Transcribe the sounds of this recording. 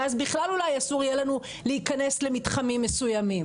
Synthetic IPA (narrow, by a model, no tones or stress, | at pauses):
azbiχlalulajasuʁjelanu | leikane̞sle̞mitχamimːe̞sujamim